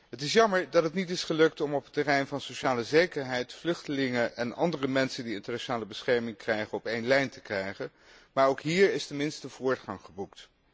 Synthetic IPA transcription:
ɦətɪsjɑməɹdɑtətnitɪsχəlɵk̚tɔmɔpətːərɛjnvɑnsoʃaːləzejkəɹɦɛjtflɵχtəlɪŋəʔɛnɑ̰ndərəmɛnsəndiɪntəɹnaʃonaːləbəsχɛɹmɪŋkrɛjχənɔpejnlɛjntə̥krɛjχən | maːɹowkɦiːɹɪstənmɪnstəv̥ʊːɹtχɑŋχəbukt

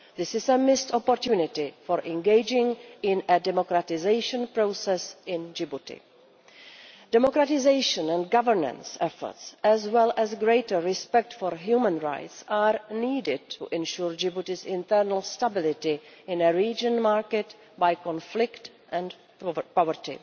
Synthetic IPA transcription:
ðɪsɪsəmɪstɔpoɾtjunɪtɪfɔɹʔɛ̃nɡeɪd͡ʒɪ̃ŋɪ̃nədɛmokɾatɪzeɪʃə̃npɾoːsɛsɪ̃nd͡ʒɪbutɪ̰ | d̥ɛmokɾatɪzeɪʃə̃nɛ̃nɡavəɹnə̰̃nsɛfɔ̰ɹtsɛzwɛlʔɛzɡɾeɪtəɹɪspɛk̚tfɔɹɦjuːmə̃nɹa̰jtsaːɹniːdɪd̚tʰṵʔɛ̃nʃuɹd͡ʒɪbutɪzɪ̃nt̪ɛɾnəl̩ˠstabɪlɪtɪɪ̃nəɹiːd͡ʒə̃nmaɹkɛt | bajkɔ̃nflɪkt | ʔɛ̃n | pɔvəɾtɪ̰

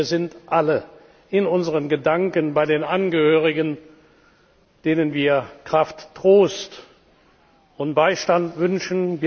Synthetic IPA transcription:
ɐzɪntʔalə | ɪnʊnzəʁənɡədaŋkənbaɪdeːnʔanɡəhøːʁ̞ɪɡən | d̥eːnənviːɐkʁ̥aftːʁ̥oːst | ʊnt̚b̥aɪʃtantv̥ʏnʃn̩viː

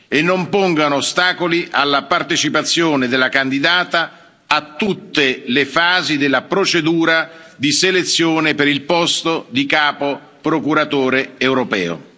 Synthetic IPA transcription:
enːompoŋɡanoːst̪aːkoliʔalːapart̪et͡ʃipat̪sːjoːned̪elːakand̪id̪aːt̪aː | t̪ːut̪ːelefaːzid̪elːapɾot͡ʃed̪uːɾad̪iselet̪sːjoːnepeɾilpɔst̪od̪ikaːpo | pɾokuɾat̪oːɾeewɾopɛ̰ːo̰

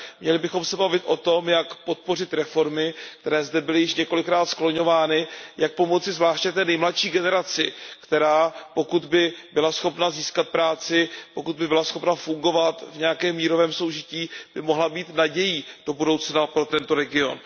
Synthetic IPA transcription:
mɲɛlɪbɪxo̞msɛbavɪt̪ʔo̞t̪o̞mjakpo̞t̪̚po̞rɪt̪ɾɛfo̞ɾmɪkt̪ɛɾɛːzdɛbɪlɪjɪʃɲɛkolɪkɾaːt̪sklo̞ɲo̞vaːnɪjak̚po̞mo̞t͡sɪzvlaːʃcɛt̪ɛːnɛjmlat̪ʃiːɡɛnɛɾat͡sɪkt̪ɛɾaːpo̞kud̪bɪbɪlasxo̞pnaziːskat̪̚pɾaːt͡sɪpo̞kud̪̚bɪbɪlasxo̞pnafuŋɡo̞vat̪vɲɛjakɛːmːiːɾo̞vɛːmso̞wʒɪciːb̥ɪmo̞ɦlabiːt̪naɟɛjiːd̥o̞budo̞wt͡snapɾo̞t̪ɛnt̪o̞ɾɛɡɪo̞̰n

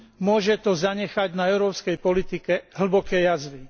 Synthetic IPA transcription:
mʊɔʒɛt̪ɔzaɲɛxaɟnaɛʊɾɔːpskɛjpɔlit̪ikɛɦl̩bɔkɛːjazʋi

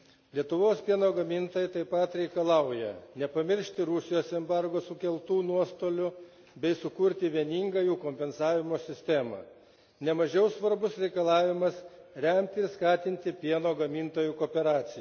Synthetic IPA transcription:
lʲiɛt̪ʊʋoːspʲiɛnoːɡɐmʲint̪oːjɪt̪ɐɪpɐt̪ɾʲɛɪkɐlˠɐʊjɛ̰nʲɛpɐmʲɪɾʲʃʲt̪ʲɪɾʊsʲɪjoːsɛmbɑɾɡoːsʊkʲɛlˠt̪uːnuɔst̪oːlʲʊ | bʲɛɪsʊkʊɾʲt̪ʲɪʋʲiɛnʲiːŋɡɐjuːkoːmʲpʲɛnsɑːʋʲɪmoːsʲɪsʲt̪ʲæmɑ̰ | nʲɛmɐʒʲɛʊsʋɐɾbʊsɾʲɛɪkɐlˠɑːʋʲɪmɐsɾʲɛmʲt̪ʲɪɪɾskɑːt̪ʲɪnʲt̪ʲɪpʲiɛnoːɡɐmʲint̪oːjukoːpʲɛɾɑːt̪sʲɪj

